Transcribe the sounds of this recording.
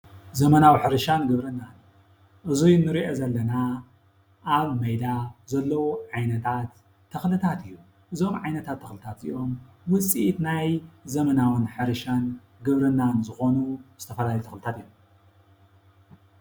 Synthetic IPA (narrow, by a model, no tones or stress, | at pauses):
zɐmɐnawħɨɾɨʃanɡɨβɾɨnːan | ʔɨzujnɨɾiʔozɐlːɐna | ʔːβmɐjd̪azɐlːɐwuʕajnɐt̪ʰat̪ʰː | ɐxlɨt̪ʰat̪ɨjːu | ʔɨzo̞mʕajnɐt̪ʰat̪ʰːɐxlɨt̪ʰat̪ḭjo̞m | wʊt͡sʼit̪najzɐmɐnawɨnħɨɾɨʃan | ɡɨβɾɨnːanzɨxo̞nuz̥ɨt̪ʰɐfɐlaljut̪ʰɐ̥̰xlɨt̪ʰat̪ɨjːom